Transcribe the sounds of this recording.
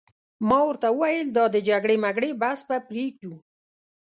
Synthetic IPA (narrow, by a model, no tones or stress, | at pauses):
mɑwəɾt̪awəwajəld̪ɑd̪əd͡ʒaɡɽemaɡɽebaspapɾeɡ̚d̪u